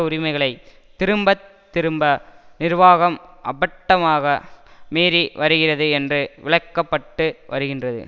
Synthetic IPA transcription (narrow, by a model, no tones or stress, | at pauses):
ʊɾɪmɐɪɣɐɭɐɪ | t̪ːɪɾɯmbɐt̪ːɪɾɯmbɐnɪɾʋaːɣɐmʔɐbɐʈːɐmaːɣɐmeːɾiʋɐɾɯɣɪrɐðɯɛndrɯʋɪɭɐɪkːɐpːɐʈːɯʋɐ̰ɾɯɣɪndrɐðɯ̰